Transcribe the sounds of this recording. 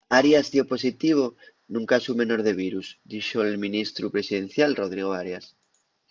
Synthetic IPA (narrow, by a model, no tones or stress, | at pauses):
aɾjazðjoposit̪iβ̞o | nũŋkasumẽnoɾðeβ̞iɾuzd̪iʃoelmĩnist̪ɾupɾesiðẽnθjalroð̞ɾiɣ̞oaɾjas